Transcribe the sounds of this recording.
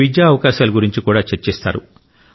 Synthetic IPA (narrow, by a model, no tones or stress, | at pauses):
id͡ʒjaːɐʋɐkaːʃaːlɐɡuɾiɲt͡ʃikuːɽaːt͡ʃeɾt͡ʃɛːst̪a̰ːɾṵ